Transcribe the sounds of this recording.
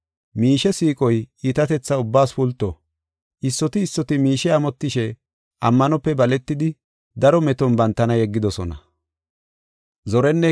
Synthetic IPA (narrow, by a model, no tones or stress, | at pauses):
miːʃɛsiːkʼɔjiːt̪ɐt̪ɛt͡sːɐʊbːaːsfʊlt̪ːɔ | ʔɪsːɔt̪ɪːsːɔt̪ɪmiːʃɛɐmɔt̪ːɪʃɛ | ʔɐmːɐnɔpːɛbɐlɛt̪ːɪd̪ɪ | d̪ɐɾɔmɛt̪ɔnbɐnt̪ːɐnɐjɛɡːɪd̪ɔsɔnɐ | zɔɾɛnːɛ